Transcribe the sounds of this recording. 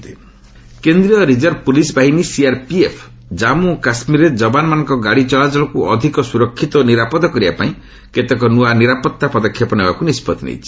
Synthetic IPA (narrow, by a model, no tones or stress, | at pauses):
t̪i | kend̪ɾiɔɾid͡ʒɔɾpulisbaɦinisiaɾpiepʰ | d͡ʒamukasmiɾed͡ʒɔbanmanɔ̃ŋkɔɡaɽit͡ʃɔɭat͡ʃɔlɔkuʔɔd̪ʱikɔsuɾɔkʰːit̪ɔniɾapɔd̪ɔkɔɾibapaĩ | ket̪ekɔnuaniɾapɔt̪ːapɔd̪ɔkʰːjɔpɔnebakunispɔd̪nḛjt͡ʃʰi̥